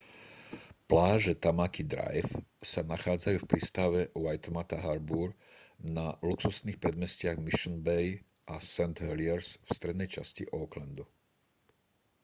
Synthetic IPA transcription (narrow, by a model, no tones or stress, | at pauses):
plaːʒɛt̪amakid̪ɾa̰jfsanaxaːd͡zajuːfpɾiːst̪aʋɛʊajt̪mat̪aɦaɾbuɾnaluksusniːxpɾɛd̪mɛscɪaɣmiʃɔnbɛj | ʔasɛnt̪ɦɛliɛɾsfst̪ɾɛd̪nɛjt͡ʃascḭʔɔːkland̪u